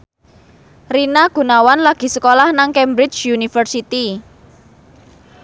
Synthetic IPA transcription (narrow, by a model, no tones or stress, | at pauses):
rinaɡ̥ṳnawanlaɡ̥i̤səkolahnaŋkɛmbɾɪt͡ʃunifərsit̪i